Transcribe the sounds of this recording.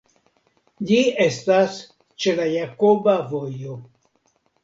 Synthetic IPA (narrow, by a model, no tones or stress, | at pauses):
d͡ʒiestas | t͡ʃe̞lajako̞bavo̞jo̞